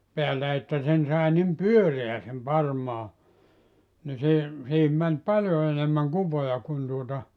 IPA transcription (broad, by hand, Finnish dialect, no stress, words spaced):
peælːæ etːæ sen sɑˑe nim pyøreæ sem pɑrmɑː ni se siːhim mæn pɑljo enemːæŋ kupojɑ kun tuotɑ